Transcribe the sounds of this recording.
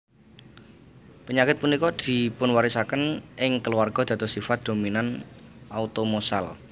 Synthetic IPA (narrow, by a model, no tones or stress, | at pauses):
pəɲakɪt̪̚punikɔd̪̥i̤pʊnwaɾisakənʔɪŋkəluwarɡ̥ɔ̤d̪̥ä̤t̪ɔsifat̪̚d̪̥o̤minanʔaut̪omosal